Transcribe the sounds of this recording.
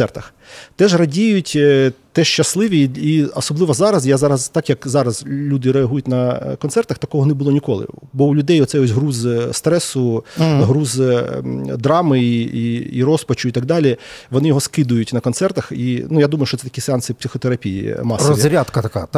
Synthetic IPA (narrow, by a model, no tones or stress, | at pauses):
ɛrt̪ɐx | t̪ɛʒrɐdʲijʊtʲt̪ɛʃt͡ʃɐslˠɪʋʲiiɔsɔblˠɪʋɐzɑɾɐzjazɑɾɐzt̪ɑkjɐkzɑɾɐzlʲud̪ɪɾeɐɦujʊtʲnɐkɔnt̪ɛrt̪ɐxt̪ɐkɔɦɔnɛbʊlˠɔnʲikɔlˠɪ̰bɔwlʲʊd̪ɛjɔt̪sɛjɔsʲɦɾuzst̪ɾɛsʊɦɾuz | d̪ɾɑmɪiḭɾɔspɐt͡ʃʊit̪aɡ̚d̪ɑlʲiʋɔnɪjɔɦɔskɪd̪ʊjʊtʲnɐkɔnt̪sɛrt̪ɐxinujad̪umɐjʊʃt͡ʃɔsɛt̪ɐ̥kʲisɪɑnsɪpʲsʲɪxɔt̪eɾɐpʲijḭmɑsrɔʋiɾʲat̪kɐt̪ɐka